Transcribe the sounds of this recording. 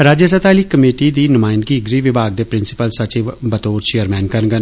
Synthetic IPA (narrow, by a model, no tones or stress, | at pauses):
ɾaːd͡ʒjəs̬ət̪aːliːkəmeːʈiːd̪iːnʊmaːjnɡiːɡɾiːʋɪbʱaːɡ̚d̪eːpɾɪnsɪ̥pəlsət͡ʃiːʋbət̪oːɾt͡ʃejəɾmɛːnkəɾɡən